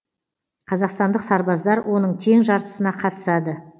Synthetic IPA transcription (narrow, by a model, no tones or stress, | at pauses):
qʰɑzɑqst̪ɑnd̪əqsɑɾbɑzd̪ɑɾwʔo̞nəɴt̪ʲʰe̞ŋʒɑɾt̪ə̥sənɑqʰɑt̪ə̥sɑd̪ə